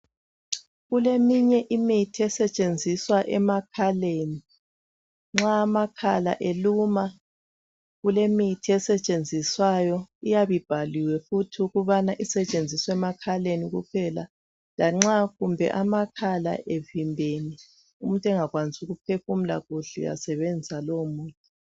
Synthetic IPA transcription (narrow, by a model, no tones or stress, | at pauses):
ɣulemiɲɛʔimitʰiɛsɛt͡ʃʼend͡zʱiswaʔɛmakʰaleːni | ŋ͡ǁaːmakʰala̰ʔeluma | ɣulemitʰiɛsɛt͡ʃʼend͡zʱiswajɔijaβib̥ʱaliwɛfutʰiuɣuβanaʔisɛt͡ʃʼend͡zʱiswɛmakʰaleniɣupʰɛla | laŋ͡ǁaɣumbʱɛ̰ʔamakʰala̰ʔevimbʱeni | um̩tʼɛŋaɣwanzʼuɣup̚ʰefum̩la̰ɣuɬṵja̰sɛβɛnd͡zisalomuːtʼɛ̥